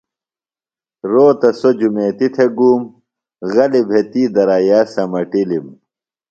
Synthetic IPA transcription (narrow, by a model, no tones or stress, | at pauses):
ɾoːt̪ɐsod͡ʑumeːt̪it̪ʰeɡuːm | ɣɐlibʱet̪iːd̪ɐɾaːjaːsɐmɐʈilim